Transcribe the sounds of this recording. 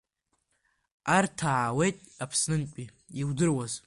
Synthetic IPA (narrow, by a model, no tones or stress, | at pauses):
artʰaʕawejtʼapʰsnɨnkʲʷʼi | iwdɨrwaz